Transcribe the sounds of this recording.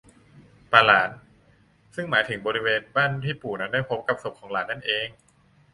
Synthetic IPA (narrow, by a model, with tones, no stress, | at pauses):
paː˧laː˩˦n | sɯ˥˩ŋmaː˩˦jt̪ʰɯ˨˩˦ŋbɔː˧ɾi˦˥weː˧nbaː˥˩nt̪ʰiː˥˩puː˨˩na˦˥ndaː˥˩jpʰo˦˥p̚ka˨˧˩p̚so˨˩p̚kʰɔː˩˦ŋlaː˩˦nːa˥˩nʔeː˧ŋ